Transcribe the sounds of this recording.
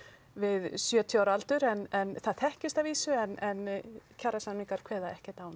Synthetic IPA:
vɪðsjœːt̪ʰjawɾalt̪ʏɾɛnɛnθaðθɛhcɪst̪aviːsʏɛnɛncʰarasanmiŋkaɾ̥kʰvɛːðaɛhcɛt̪awn

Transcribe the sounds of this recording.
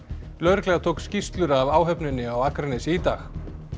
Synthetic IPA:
lœɥɾklɛɣat̪ʰowkscist̪lʏɾavaːwɦœpnʏnːɪawakɾanɪsiːt̪ax

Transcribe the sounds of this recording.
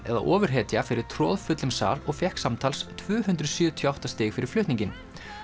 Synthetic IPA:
ɛ̰ða̰ʔɔːvʏɾ̥ɦɛːt̪jafɪɾɪɾ̥t̪ʰɾɔ̰ːðfʏt̪lʏmsa̰ːɾɔɣfjɛhksamt̪ʰalst̪ʰvʏːhʉnt̪ɾʏðsjʏːt̪ʰjɔawht̪ast̪ɪːxfɪɾɪɾ̥flʏht̪niɲcɪn

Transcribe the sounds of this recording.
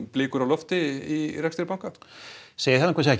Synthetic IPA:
plɪːkʏɾawlɔft̪ɪirɛkst̪ɪɾɪpawŋkaseːjɪɾθɛt̪ːakvas̬ɛc

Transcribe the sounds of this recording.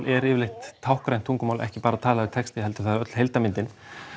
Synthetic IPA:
lɛɾɪːvɪlejht̪ʰːawhkɾajn̥t̪ʰuŋkʏmawlʔɛ̰hcɪpaːɾat̪ʰaːlavɪɾt̪ʰɛkst̪ɪɦɛlt̪ʏ̥ɾ̥θaðɾœt̪l̥hejlt̪amɪnt̪ɪn

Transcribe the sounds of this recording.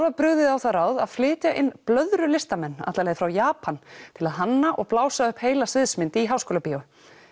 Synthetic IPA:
ɾvapɾʏɣðɪðawθaɾaːwðaðflɪːt̪jaʔɪnːplœðɾʏlɪst̪amɛnːa̰t̪laleːðɪfɾawjaːpant̪ʰɪlaðɦanːaʔɔɣplaːwsaʏhpheːjlasɪðsmɪnt̪ɪiɦawskɔːlapiʏ

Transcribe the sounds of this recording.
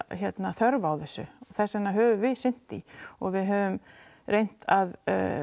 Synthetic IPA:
çjɛt̪naθœɾvaːwθɛsːʏθɛsɛnːaɦœːvʏvɪðsɪn̥t̪iɔɣvɪðɦœːvʏm | rʔejn̥t̪að

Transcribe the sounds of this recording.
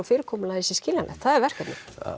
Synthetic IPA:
fɪːɾɪkʰɔːmʏlaðisɪ̥scɪːlanʔa̰θaðɛɾvɛr̥kat̪nɪ̰

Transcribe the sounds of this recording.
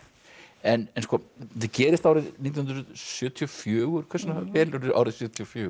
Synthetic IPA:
ɛnɛnskɔːθɪcɛːɾɪst̪awɾɪðniːt̪jnɾʏðsjʏːt̪ʰiɔfjʏːɣʏɾ̥kʰvɛɾsʏnahpɛːlʏɾɪʔa̰wɾɪðsjʏːt̪ʰiɔfjœ̥ː

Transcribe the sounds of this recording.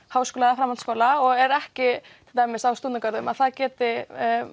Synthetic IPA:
haːwskɔːlaðafɾamanskoːwlaɔɣɛɾɛhcɪt̪ʰɪlt̪ajmɪsawst̪uːt̪nakœɾðʏmaðθaðcɛːt̪ɪ

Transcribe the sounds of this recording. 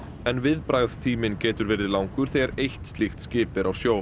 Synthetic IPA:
ɛnvɪðpɾajɣð̥t̪ʰiːmɪncɛːt̪ʏɾvɛːɾðɪðlawŋkʏɾ̥θejɣaɾejht̪st̪lixt̪scɪːpɪɾʔawsjoːw

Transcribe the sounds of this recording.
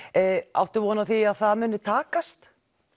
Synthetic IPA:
a̰wht̪ɪvɔːnaθiaðθaðmʏnːɪt̪ʰaːkast̪

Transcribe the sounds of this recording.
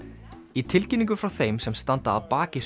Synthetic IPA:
it̪ʰɪlcɪniŋkʏfɾawθejmsɛmst̪ant̪aːðpaːcɪ

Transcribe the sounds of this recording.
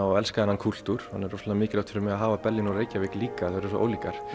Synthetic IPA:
awɛlskaðɛnhankʰul̥t̪uɾ̥hanːɛɾɔslamɪːcɪlawt̪ʰɪɾʏmɛaɦaːvapɛlːɪnɔɾeːjcavɪkliːkaθaɾs̬ɔ̰ʔo̰ːwliːkaɾ̥

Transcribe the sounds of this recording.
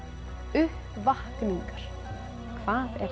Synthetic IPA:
ʏhpvahkniŋkaɾ̥ | kʰv̥aːðɛ̰ɾ

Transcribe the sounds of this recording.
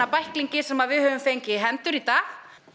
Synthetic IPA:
apajhkliɲcɪsɛmaðvɪðhœːvʏmfejɲcɪɦɛnt̪ʏɾit̪aːɣ

